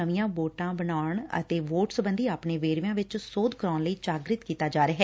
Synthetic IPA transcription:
əʋɪjãːboːʈãːbənaːɳə̰t̪eːʋoːʈsbənd̪iːaːpɳeːʋeːɾʋjãːʋɪt͡ʃsoːd̪kəɾaːnləiːt͡ʃaːɡɾɪt̪kiːt̪aːd͡ʒaːɾəɦɛː

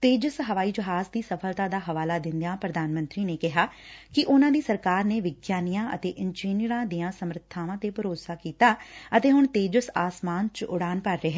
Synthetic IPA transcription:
t̪eːd͡ʒəsɦəʋaːiːd͡ʒəɦaːzd̪iːsəpʰəlt̪ãːd̪aːɦəʋaːlaːd̪ɪ̃nd̪ãːpɾəd̪aːnmə̃nt̪ɾiːneːkɪɦaːkɪʔʊnãːd̪iːsəɾkaːɾneːʋɪɡjaːnijãːʔə̰t̪eːʔɪnd͡ʒiːniɾãːd̪ijãːsəmɾt̪ʰːaːʋãːt̪eːpəɾoːsaːkiːt̪aːət̪eːɦʊɳt̪eːd͡ʒəsaːsmaːnt͡ʃʊɽaːnpəɾːeːɦɛ

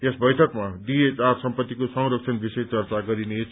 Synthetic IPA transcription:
esbʌjsʰʌkmadiet͡sarsʌmpʌt̪ːikosʌŋɾʌk̚t͡sʰʌnbisejt͡sʌrt͡saɡʌɾine

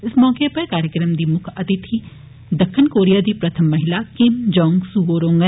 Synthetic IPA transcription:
ɪsmɔːkepɐɾkaːɾjəkɾəmd̪iːmʊkʰɐt̪ɪt̪ʰiː | d̪ɐkʰːɪnkoːɾijaːd̪iːpɾɐt̪ʰəmːɐɦɪlaːkɪmd͡ʒɔ̃ːŋɡsuɡoːɾõːŋɡɛ

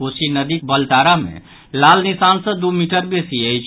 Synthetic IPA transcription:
osinəd̪ik̚bəlʈ̪aɾamḛ̃ | lalnisansə̃d̪umiʈəɾbesiəjt͡ʃʰ

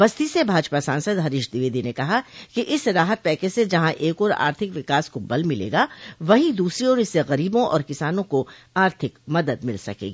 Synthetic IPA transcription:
ʋɐst̪isebʱaːd͡ʒpasãːnsəd̪ɦɐɾɪʃd̪ɪʋeːd̪inekɐɦakiʔɪsɾaːɦət̪̚pɛːkesed͡ʒɐɦãʔeːkɔːɾa̰ːɾt̪ʰɪkʋɪkaːskobɐlmɪlḛːɡaʋɐɦid̪uːsɾiɔːɾɪsːeɣɐɾiːbõʔɔ̰ːɾkɪsaːnõko | aːɾt̪ʰɪkmɐd̪əd̪mɪlsɐ̰kḛːɡiː

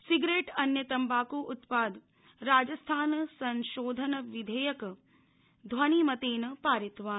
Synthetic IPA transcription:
siɡɾeːʈɐnjɐt̪ɐmbaːkuːʔʊt̪paːd̪ | ɾaːd͡ʒɐst̪ʰaːnsɐnʃoːd̪ʱɐnɐʋid̪ʱejɐk | d̪ʱʋaniːmɐt̪eːnɐpaːɾit̪ʋaːn

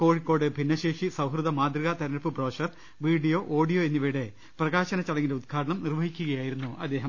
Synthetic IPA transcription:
ko̞ːɻikːo̞ːɽɨbʱinːɐɕeːʂisɐwɦrɨðɐmaːd̪rɨɣɐt̪ɐɾɐnɐpːɨbroːʂɐr | ʋiːɖijo̞ːʔoːɖijo̞ːenːiʋiɽe̞ | prɐɣaːɕɐnɐt͡ɕːɐɽɐŋːindeud̪̚ɡʰʱaːɽɐɳɐmnirʋɐɦikʲːuɣɐjaːjiɾunːuʔɐd̪ːe̞ːɦɐm

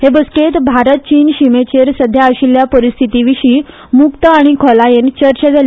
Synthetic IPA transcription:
hebəsket̪bʱaɾət̪̚t͡ɕiːnɕimet͡ɕeɾsəd̪ʱjaəɕiljapəɾist̪ʰit̪iʋiɕiː | mukt̪əaɽ̃ikʰɔlajent͡ɕəɾt͡ɕəd͡zal

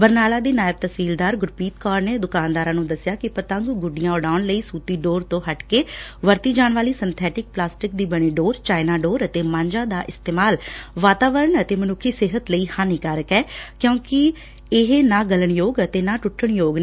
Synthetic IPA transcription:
bəɾnaːlaːd̪iːnaːɪb̚t̪əsiːld̪aːɾɡʊɾpiːt̪̚kɔːɾneːd̪ʊkaːnd̪aːɾãːnũːd̪əsɪjaːkɪpət̪ə̃ŋɡɡʊɖɪjãːʊɖaːʊnləiːsuːt̪iːɖoːɾt̪õːɦəʈkeːʋəɾt̪iːd͡ʒaːɳʋaːliːsənt̪ʰɛːʈɪk̚plaːsʈɪk̚d̪iːbəɽ̃iːɖoːɾt͡ʃaːɪnaːɖoːɾət̪eːmãːɲd͡ʒãːd̪aːʔɪst̪eːmaːlʋaːt̪aːʋəɾəɳət̪eːmənʊkʰːiːsɪɦət̪ləiːhãːniːkaɾəkɛːkjõːkɪ | ɪɦenaːɡələɳjoːɡət̪eːnãːʈʊʈʰːəɳjoːɡ

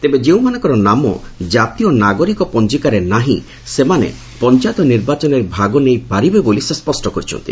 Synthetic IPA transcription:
t̪ebed͡ʒeũmanɔ̃ŋkɔɾɔnamɔ̰d͡ʒat̪ijɔnaɡɔɾikɔpɔnd͡ʒikaɾenaɦĩ | semanḛ | pɔnt͡ʃat̪ɔniɾbat͡ʃɔneɾbʱaɡɔnejpaɾibebolisespɔsʈɔkɔɾit͡ʃʰɔ̰nt̪ḭ

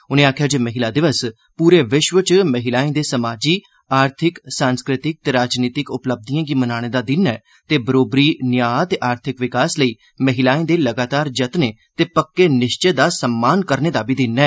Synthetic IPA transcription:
ʊnẽːaːkʰɪjaːd͡ʒeːməɦɪlaːd̪ɪʋəs | puːɾeːʋɪʃʋət͡ʃməɦɪlaːẽːd̪eːsəmaːd͡ʒiː | aːɾt̪ʰɪksãːnskɾɪt̪ɪk̚t̪eːɾaːd͡ʒniːt̪ɪkʊpləb̚d̪ijãːɡiːmənaːɽ̃eːd̪aːd̪ɪnɛː | t̪eːbəɾoːbɾiːnɪjaːt̪eːʔaːɾt̪ʰɪkʋɪkaːsləiː | məɦɪlaːẽːd̪eːləɡaːt̪aːɾd͡ʒət̪neːt̪eːpəkːeːnɪʃt͡ʃeːd̪aːsəmːaːnkəɾneːd̪aːbiːd̪ɪnɛː

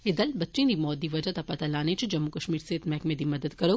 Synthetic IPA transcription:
ɪd̪əlbɐtːʃĩd̪imɔːt̪ːiʋɐd͡ʒat̪ɐpɐt̪alaːnẽt͡ʃʰʊd͡ʒɐmːukɐʃmiːɾseːt̪mɛːkmẽd̪ʱimɐd̪əd̪kɐɾoː

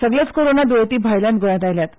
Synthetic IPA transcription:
səɡlat͡skoɾonad̪ojt̪iːbʱajlãnɡəj̃ãt̪ajljat̪

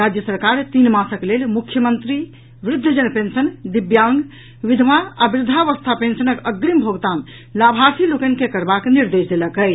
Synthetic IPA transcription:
ɾad͡ʒjəsəɾkaɾt̪inmasəklelmukʰːjəmənt̪ɾi | ʋɾɪd̪ʱːəd͡ʒənpensənd̪ibjãŋɡ | ʋid̪ʱmaabɾɪd̪ʱaʋəst̪ʰapensənəkəɡɾimbʱoɡt̪an | labʱaɾsilokənkekəɾbakniɾd̪esd̪eləkə

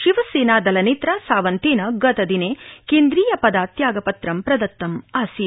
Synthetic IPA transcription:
ʃiʋɐseːnaːd̪ɐlɐneːt̪ɾaːsaːʋɐnt̪eːnɐɡɐt̪ɐd̪ineːkeːnd̪ɾiːjɐpɐd̪aːt̪jaːɡɐpɐt̪ɾɐmpɾɐd̪ɐt̪ːɐmaːsi

